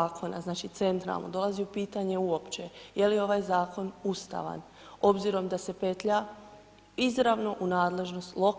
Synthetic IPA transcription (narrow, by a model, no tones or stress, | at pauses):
kʰo̞na̰znaːt͡ʃit̪se̞nt̪ɾa̰lˠnod̪o̞lˠaziupiːt̪aɲe̞uo̞pt͡ʃe̞je̞lijo̞ʋaːjzaːko̞nust̪a̰ʋa̰n | o̞bziɾo̞md̪ase̞pe̞t̪ʎa | izɾaʋno̞ʔunaːd̪le̞ʒno̞st̪lˠo̞k